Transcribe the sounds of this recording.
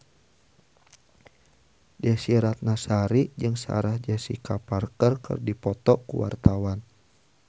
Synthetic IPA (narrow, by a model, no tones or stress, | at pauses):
dasiɾat̪̚nasaɾid͡ʒɨŋsa̰ɾahd͡ʒasḭkaparkərkɨ̰rdipɔt̪ɔkṵwa̰rt̪awan